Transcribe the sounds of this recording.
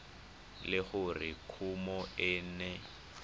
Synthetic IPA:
lɪχʊrɪkʰumɔɛːnɛ

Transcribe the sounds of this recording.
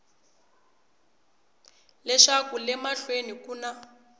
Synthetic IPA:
lɛʂakulɛmaɬwenikuːna

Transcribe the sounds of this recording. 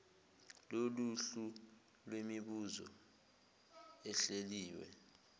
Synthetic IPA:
loluɬu | lwemiɓuzɔ̰ | ɛɬeliːwɛ̰

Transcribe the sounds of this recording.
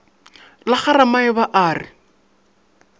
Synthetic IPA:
laχaɾamaɪβaʔaːrɪ

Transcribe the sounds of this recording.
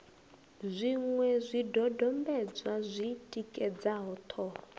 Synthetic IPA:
zʷiŋwɛzʷidɔdɔmbɛd͡zwazʷitʼikʼɛd͡zaɦɔt̪ʰɔ

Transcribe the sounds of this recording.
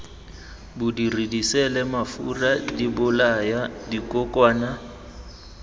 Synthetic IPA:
bʊdiridisɛlɛmafuradibʊlajadikʼɔkʼwaːna

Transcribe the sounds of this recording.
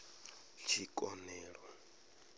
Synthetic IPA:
t͡ʃʰikʼɔnɛːɺɔ

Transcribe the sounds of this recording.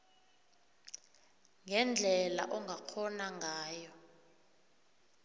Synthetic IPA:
ŋʱɛnd͡ɮʱɛla̰ʔɔŋɡʱakʰɔnaŋʱaːjɔ

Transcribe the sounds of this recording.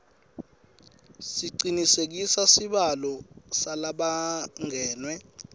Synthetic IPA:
siǀinisek̬isasiɓalɔsalaɓaŋɛːnwɛ

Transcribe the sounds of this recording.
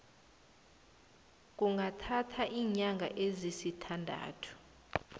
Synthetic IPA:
k̬ʼuŋɡʱatʰatʰaʔiːɲaŋɡʱaʔezisitʰandʱa̰ːtʰu̥

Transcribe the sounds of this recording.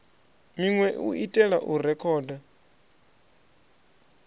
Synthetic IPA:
miŋwɛuitʼɛɺaʔuɾɛkʰɔːda

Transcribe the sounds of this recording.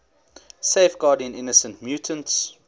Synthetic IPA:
seɪfɡɑːdə̃nɪnəsə̃ntmjuːtʰə̃nts

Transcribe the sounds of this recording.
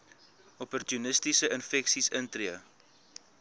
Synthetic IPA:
ɔpɔrtjunəstisəənfɛksisəntriə

